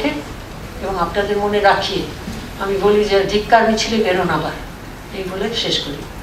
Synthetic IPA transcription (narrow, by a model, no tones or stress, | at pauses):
e | eboŋapnad̪eɾmoneɾakʰie | amibolid͡ʑed̪ʱikːaɾmit͡ɕʰilebeɾonabaɾ | ejboleʃeʃkoɾi